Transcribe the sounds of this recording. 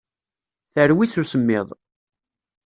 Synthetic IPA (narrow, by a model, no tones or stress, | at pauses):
θəɾwiθusəmːɪðˤ